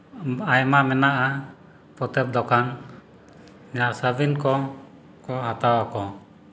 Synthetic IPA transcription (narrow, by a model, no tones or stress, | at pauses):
ajmamɛnaʔa | pɔt̪ɛp̚d̪ɔkan | d͡ʒasəbinkɔ | kɔɦat̪awakɔ